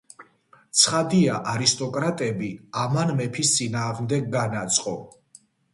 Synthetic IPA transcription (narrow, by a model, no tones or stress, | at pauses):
t̪sʰχad̪iaʔaɾist̪ʼɔkʼɾat̪ʼɛbiamanmɛpʰist̪sʼinaːʁmd̪ɛɡ̚ɡanat̪sʼqʼɔ